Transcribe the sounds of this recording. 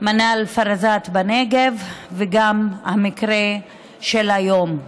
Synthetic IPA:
manalfaɾazat̪baneɡevveɡamhamikʁe | ʃelajo̞m

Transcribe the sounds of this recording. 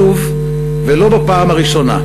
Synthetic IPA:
uv | velo̞bapaːmaʁiʃo̞na̰

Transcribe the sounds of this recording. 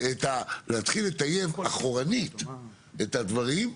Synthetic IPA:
et̪alehat̪χilet̪aje̞vaχoʁanit̪ | etad̪vaʁim

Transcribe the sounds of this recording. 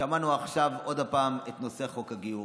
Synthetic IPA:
amanuaχʃavo̞d̪apaːmet̪no̞se̞χo̞kaɡiu

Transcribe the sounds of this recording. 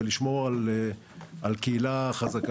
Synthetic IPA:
liʃmo̞ʁale | alkeilaχazak

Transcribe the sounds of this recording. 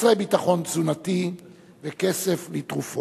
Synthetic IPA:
sʁebitaχo̞nt͡sunat̪i | vekeseflit̪ʁufo

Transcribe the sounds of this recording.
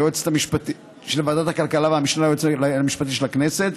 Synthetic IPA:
jot͡se̥tamiʃpat̪i | ʃelevad̪at̪hakalkalaveamiʃnaajot͡slamiʃpat̪iʃelakne̞set̪

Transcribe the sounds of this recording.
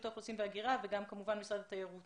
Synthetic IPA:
t̪oχosimveaɡiʁaveɡamkamuvanmisʁad̪at̪ajaʁut̪

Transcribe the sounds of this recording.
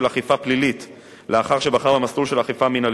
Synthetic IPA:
laχifaplilit | leaχaʁʃebaχaʁamasulʃelaχifaminal

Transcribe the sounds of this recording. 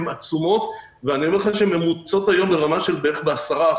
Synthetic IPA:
mat͡sumo̞t̪ | veaniomlχaʃeme̞mut͡so̞t̪ajo̞mleʁamaʃe̞lbeeχbeasaʁa

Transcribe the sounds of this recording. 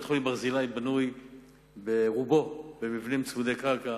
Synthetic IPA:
t̪χulibaʁzilajbanuj | beʁubo̞bemivnimt͡svud̪ejkaʁka

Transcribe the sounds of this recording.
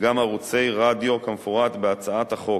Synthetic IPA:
ɡamaʁut͡se̞jʁad̪ijo̞kamfoʁat̪beat͡saat̪haχo̞

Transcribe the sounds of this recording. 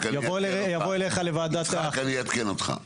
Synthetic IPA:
kajavojavoeleχalevaːd̪at̪eakaniat̪kenot̪χa̰

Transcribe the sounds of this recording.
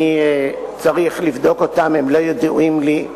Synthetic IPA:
i | t͡saʁiχlivd̪o̞ko̞t̪ame̞mlo̞jod̪ṵimli

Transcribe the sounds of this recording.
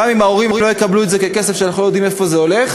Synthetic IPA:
amimaoʁimilojekabluetzekeke̞sefʃeanaχnulojod̪imefo̞zeo̞leχ

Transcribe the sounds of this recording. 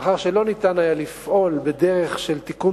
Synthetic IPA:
χaʁʃe̞lo̞nit̪anajalifʔo̞lbe̞d̪e̞ʁe̞χʃe̞lt̪iku

